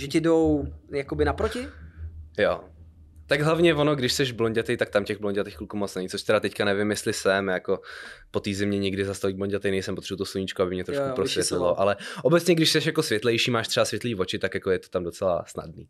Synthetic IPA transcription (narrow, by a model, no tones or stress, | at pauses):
ʒɛcɛdowjakobɪnapɾocɪ | jo̰ | t̪aɡɦlavɲɛvonoɡdɪʃsɛʒbloɲɟat̪ɛjt̪ak̚t̪amcɛɣbloɲɟat̪ɛxklukumot͡snɛɲɪt͡soʃt̪ɛɾat̪ɛckanɛvɪmjɛst̪lɪsɛmjako̞po̞t̪iːzɪmɲɛɲɪɡdɪzast̪aviːbloɲɟat̪ɛjnɛjsɛmpot̪r̥ɛbut̪osluɲit͡ʃkoabɪmɲɛt̪ɾoʃkkupɾosvvjɛt̪lɪloʔalɛʔobɛt͡sɲɛɡdɪʃsɛʃjako̞svʲjɛt̪lɛjʃiːmaːʃt̪r̥ɛvasvjɛt̪liːvo̞t͡ʃɪt̪akjakojɛt̪o̥t̪amdo̞t͡sɛla̰sna̰dnḭː